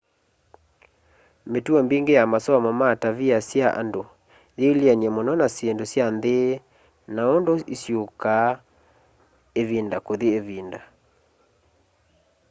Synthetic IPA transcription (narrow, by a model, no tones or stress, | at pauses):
metwɔmbiŋɡejamaswamɔmataβiasjaʔa̰ndo | jelianɛmɔnɔnasjendosjande | naondoisjoka | eβindakoðieβinda